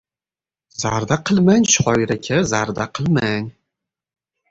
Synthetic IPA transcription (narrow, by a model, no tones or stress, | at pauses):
zaɾd̪aqʰɨlˠmanʲʃχɒjɾakʲʰazaɾd̪aqʰɨlˠmanʲ